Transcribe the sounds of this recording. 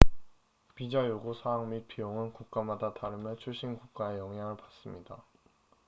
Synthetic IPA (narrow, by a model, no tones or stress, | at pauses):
pid͡ʑajoɡosʰaaŋmit̚pʰijoŋɯnkuk̚k͈amadataɾɯmjʌt͡ɕʰuɭɕ͈inɡuk̚k͈aejʌŋɦaŋɯɭpḁs͈ɯmɲida